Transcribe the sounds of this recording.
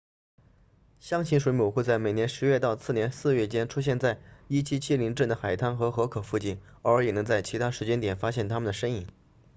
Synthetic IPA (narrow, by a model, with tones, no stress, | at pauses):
ɕjɑ˥ŋʰi˧˥nʂwe˧˥ɪmu˨˩ʊxwe˥˧ɪt͡sa˥˩ɪme˨˩ɪnjɛ˧˥nʂɻ̩˧˥ɥɛ˥˧t̪ɑ˥˧ʊt͡sʰɹ̩˥˩njɛ˧˥nsɹ̩˥˧ɥɛ˥˩t͡ɕjɛ˥nʈ͡ʂʰu˥ɕ̬jɛ˥˧nt͡sa˥˩ɪi˥t͡ɕʰi˥t͡ɕʰi˥li˧˥ŋʈ͡ʂə˥˩nd̪ə˩xa˨˩ɪt̪ʰa˥nxɤ˧˥xɤ˧˥kʰɤ˨˩fu˥˧t͡ɕi˥˩nə˞˧˥jɛ˨˩nɤ˧˥ŋt͡sa˥˩ɪt͡ɕʰi˧˥t̪ʰa˥ʂɻ̩˧˥t͡ɕjɛ˥nt̪jɛ˨˩nfa˥ɕjɛ˥˩nt̪ʰa˥mə˨nd̪ə˩ʂə˥ŋi˨˩˦n